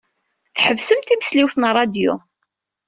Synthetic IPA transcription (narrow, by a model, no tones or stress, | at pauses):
θħəvsəmt̪imə̥sliwθnrˤːɑd̪jṵ